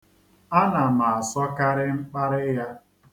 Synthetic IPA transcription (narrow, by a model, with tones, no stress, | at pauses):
a˦na˨ma˨a˨sɔ˦ka˦ɾɪ˦ŋ͡m̩˦k͡pa˦ɾɪ˦ja˦